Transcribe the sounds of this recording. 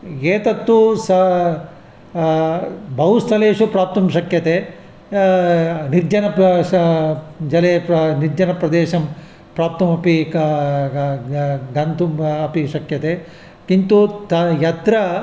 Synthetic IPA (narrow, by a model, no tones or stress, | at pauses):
eːt̪ɐt̪ːusɐ | bʱɐɦust̪ʰɐleːʂupɾaːp̚t̪ɐmʃɐkjɐt̪e | niɾd͡ʒɐnɐ | d͡ʒɐleːniɾd͡ʒɐnɐpɾɐd̪eːʃɐm | pɾaːp̚t̪ɐmɐpi | ɡɐnt̪umɐpiʂɐkjɐt̪e | kint̪ut̪ɐjɐt̪ɾɐ